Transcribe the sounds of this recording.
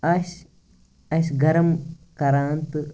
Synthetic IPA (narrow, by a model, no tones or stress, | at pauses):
ɐɕ | ɐɕɡɐɾɐmkɐɾaːnt̪ɨ